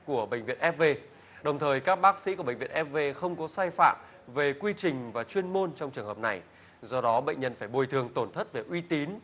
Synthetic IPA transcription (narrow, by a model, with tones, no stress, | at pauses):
ku˧˩əɓə̰˧˨ŋ̟vḭ˧˨ənʔɛ˦˥p̚ve˧ | ɗə˨˩wŋ͡mt̪ʰəː˨˩jkaː˦˥k̚ɓaː˦˥k̚sḭ˧˥ku˧˩ɓə̰˧˨ŋvḭ˧˨əʔɛ˦˥p̚ve˧xə˧wŋ͡mkɔ˨˦saː˧jfa̰ː˧˨m | ve˨˩kwi˧t͡ɕï˨˩ŋ̟vaː˨˩t͡ɕwi˧ənmo˧nt͡ɕɔ˧wŋ͡mt͡ɕɨ˨˩əŋhəː˨˩p̚na˨˩j | zɔ˧ɗɔ˨˦ɓə̰˧˨ŋ̟ɲə˧nfaː˧˩jɓo˨˩jt̪ʰɨ˨˩əŋt̪o˧˩nt̪ʰə˦˥t̚ve˨˩ʔwi˧t̪i˨˦n